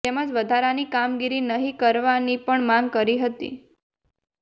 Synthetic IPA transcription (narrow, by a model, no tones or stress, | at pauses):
ɛməd͡ʒʋəd̪ʱaɾanikamɡiɾinəɦikəɾʋanipəɳmãŋɡ̚kəɾiɦət̪ḭ